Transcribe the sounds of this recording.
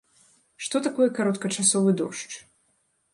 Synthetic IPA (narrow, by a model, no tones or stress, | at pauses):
ʂt̪ɔt̪akɔjɛkaɾɔt̪kɐt͡ʂasɔvɨd̪ɔʂt͡ʂ